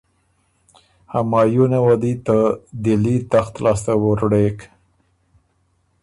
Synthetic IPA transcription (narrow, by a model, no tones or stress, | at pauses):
hamɑjunewad̪it̪əd̪ɪlit̪axt̪lɑst̪awoɾɽek